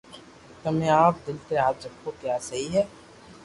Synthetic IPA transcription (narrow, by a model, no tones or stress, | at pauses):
k̪ɐmẽaːp̚d̪ɪlt̪eaːp̚d͡ʒɐb̚kokjaːsɐɦiɦɛː